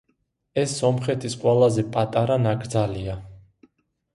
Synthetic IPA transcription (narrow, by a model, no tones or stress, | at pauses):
ɛsːɔmχɛt̪ʰisqʼwɛlˠazɛpʼat̪ʼaɾanaɡɾd̪zalia